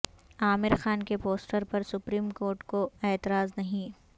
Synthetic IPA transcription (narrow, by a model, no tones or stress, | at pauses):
aːmɪɾxaːnkepoːsʈəɾpɐɾsʊpɾiːmkoːɾʈkoɛːt̪ɪɾaːznɐɦĩ